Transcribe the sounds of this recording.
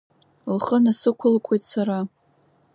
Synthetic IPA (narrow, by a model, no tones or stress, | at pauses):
lχənasɨkʷʰʊlkʷʰe̞jtsaɾa